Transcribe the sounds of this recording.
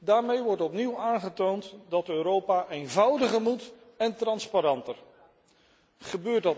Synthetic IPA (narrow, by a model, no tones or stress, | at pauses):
daːɹmejʋɔɹtɔpniwaːnχətowntdɑtøːɾowpaːʔejnvʌwdəχəɹmut | ɛntrɑnspaɾɑntər | χəbøːɹtdɑ